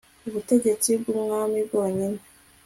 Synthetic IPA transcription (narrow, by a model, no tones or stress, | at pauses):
uβute̞ɟe̞t͡sib̚ɡuːmŋaːmibɡo̞ːɲine